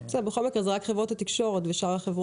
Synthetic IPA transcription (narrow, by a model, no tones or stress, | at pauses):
sɛdebexo̞lmikʁezeʁakχevʁothat̪ikʃo̞ʁet̪beʃaʁhaχevʁ